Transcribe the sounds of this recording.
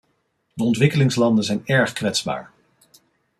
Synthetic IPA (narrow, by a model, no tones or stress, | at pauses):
dəɔntʋɪkəlɪŋslɑndənzɛjnɛɹχkʋɛtsba̰ːɹ